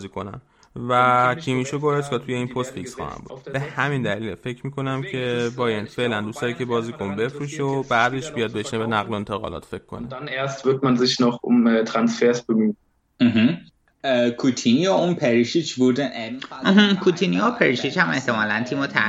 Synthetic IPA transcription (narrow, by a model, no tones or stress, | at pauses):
ziːkʰo̞næ̰n | vækʰimiʃoɡoɾeskɒt̪ʰujeiːnpʰost̪fiksxɒ̰hæ̰mbṵd̥̪b̥e̞hæmind̪æliːlfe̞cʰmiːkʰo̞næmcʰe̞bɒːjenfe̞ːʔlænd̪ust̪ɒːɾicʰʲe̞bɒːziːkʰonbe̞fɾuːʃobæːd̪eʃb̥ijɒd̪̚be̞ʃnebenæɣloent̪ʰeɣɒ̰lɒ̰ːt̪fekʰːonedaneːɐstv̥ɪʁtmanzɪçnɔχʊ̰mt̪ʰʁ̥ansfeɐsb̥emyː | ɦ̩ | kʰut̪ʰinijɔunpʰeɾiʃit͡ʃbud̪eʔm̩ɦm̩kʰut̪ʰinijopʰeɾiʃit͡ʃhæme̞ht̪emɒːlænt̪ʰiːmot̪ʰæ̰